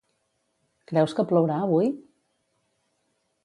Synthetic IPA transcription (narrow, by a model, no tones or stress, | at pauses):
kɾɛwskəpləwɾaəβuj